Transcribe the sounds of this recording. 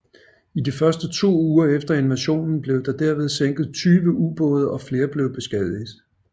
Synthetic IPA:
idifɶɐsd̥ət͡sʰo̝̰ːuːɐefd̥ɐe̝nmæɕo̝̰ːnn̩b̥le̝ʊd̥ɑ̈d̥æɐ̰ʋe̝ð̞ˠseŋ̰ɡ̥ð̞̩ˠt͡sʰyːʋəʔub̥ɔ̽ːð̞ˠɐɒ̽fle̝ːɐb̥le̝ʊb̥e̝sɡ̥ɛðˠiðˠ

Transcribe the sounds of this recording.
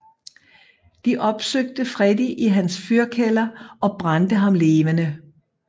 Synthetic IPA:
d̥iʔɒ̽b̥søɡ̥̚d̥əfʁɛdiʔiɦænsfyɐkʰelɐɒ̽b̥ʁɑnd̥əɦɑ̈mle̝ːʋənə

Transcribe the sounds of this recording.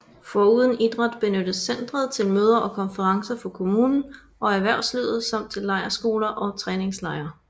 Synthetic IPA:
fɒuːð̞ˠən̩id̥ʁɑd̥b̥e̝nød̥əsend̥ʁɐð̞ˠt͡sʰe̝lmøːð̞ˠɐʔɒ̽kʰɒ̽nfəʁɑ̈ŋsɐfɒ̽kʰo̝muːnn̩ | ʔɒ̽æɐʋæɐ̰ʊslyð̰ˠð̩ˠsɑ̈m̰d̥̚t͡sʰe̝lːɑ̈ɪɐsɡ̥o̝ːlɐʔɒ̽t͡sʰʁɛːne̝ŋslɑ̈ɪɐ

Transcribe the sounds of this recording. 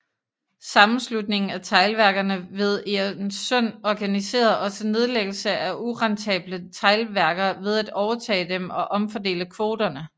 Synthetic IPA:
sɑ̈mn̩slud̥̚ne̝ŋn̩æt͡sʰɑ̈ɪlʋæɐɡ̥ɐnəʋe̝ð̞ˠensɔn̰ɒɡ̥ænise̝̰ːɐðˠʔɒ̽səne̝ð̞ˠleɡ̥l̩səʔæʔuʁɑnt͡sʰɛ̰ːb̥lət͡sʰɑ̈ɪlʋæɐɡ̥ɐʋe̝ð̞ˠæd̥ɒʊɐt͡sʰɛ̰ːd̥emɒ̽ʔɒ̽mfɒ̽de̝̰ːləkʰʋo̝ːd̥ɐnə

